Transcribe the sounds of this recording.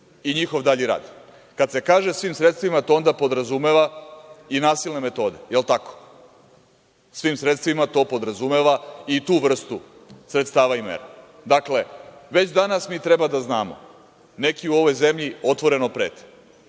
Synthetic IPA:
iɲixo̞ʋd̪aʎiɾa̰ːd̪i | kad̪se̞kaːʒesʋiːmsɾet̪st̪ʋimat̪oond̪apo̞d̪ɾazume̞ʋainaːsilˠne̞me̞t̪o̞ːd̪e̞jelˠt̪ako̥ | sʋiːmsɾe̞t̪st̪ʋimat̪o̞ːpo̞d̪ɾazumeʋait̪uːʋr̩st̪usɾet̪st̪aːʋaimḛɾa | d̪akle̞ʋe̞t͡ɕd̪anasmiːt̪ɾebad̪aznaːmo̞̰ | ne̞kiuo̞ʋo̞jze̞mʎio̞t̪ʋo̞ɾe̞no̞pɾḛːt̪

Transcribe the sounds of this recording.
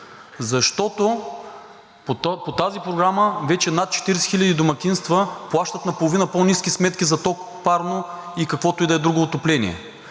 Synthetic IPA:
zɐʃt̪ɔt̪o | pot̪azipɾoɡɾaməvɛt͡ʃɛnat̪̚t͡ʃɛ̥t̪iɾɛsɛ̥xilʲəd̪id̪omɐkʲinst̪vəplˠaʃt̪ət̪nɐpolˠovinəponiskʲismɛt̪kʲizɐt̪ɔk | paɾno | ikɐkvɔt̪oʊid̪ɐɛd̪ɾuɡoːt̪oplɛnḭɛ̰

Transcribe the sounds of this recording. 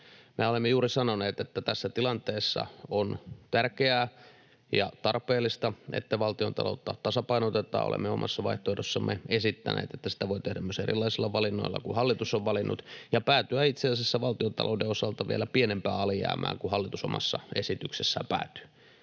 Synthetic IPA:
meolemːejuːrisɑnoneːt̪et̪ːæt̪æsːæt̪ilɑnt̪eːsːɑ̰ont̪ærkeæː | jɑ̰t̪ɑrpeːlːˑist̪ɑḛt̪ːæʋɑlt̪iont̪ɑ̰lo̰ut̪ːɑt̪ɑsɑpɑinot̪et̪ˑɑ̰ːo̰lḛmːeomʔɑ̰sːɑʋɑiht̪oːhdosːɑmʔeesit̪ːænḛːt̪et̪ːæsi̥t̪æʋoit̪ehdæmyøserḭlːˑɑisilːɑʋɑlinːo̰ilːɑ̰kuhɑlːit̪usoʋʋɑlinːṵt̪jɑpæːt̪yæit̪seːsesːæʋɑlt̪iont̪ɑ̰lʔo̰udeosɑlt̪ɑʋielæpienempæːɑlijæ̰ːmæ̰ːŋkuhɑlːit̪uso̰mɑ̰sːɑ̰esit̪yksesːæ̰pæ̰ːt̪y̥

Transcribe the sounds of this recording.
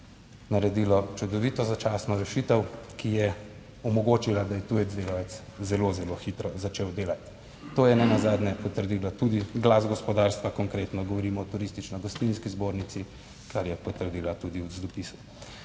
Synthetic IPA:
naɾɛd̪ilɔt͡ʃud̪ɔʋit̪ɔzat͡ʃaːsnɔɾɛʃit̪əwkijɛ | ɔmɔɡoːt͡ʃilad̪ajɛt̪ujɛd̪d̪eɡɔʋɛt̪s | zɛlozɛloxit̪ɾɔzat͡ʃeːwd̪eːlat̪ː | oːjɛnɛnazaːd̪nʲɛpɔt̪əɾd̪iːlat̪ud̪iɡlazɡɔspɔd̪aːɾst̪ʋakɔŋkɾeːt̪nɔɡɔʋɔɾiːmɔːt̪uɾist̪it͡ʃnɔjɡɔst̪inskizboːɾnit̪si | kʰaɾjɛpɔt̪əɾd̪iːlat̪ud̪iwzd̪ɔpisu̥

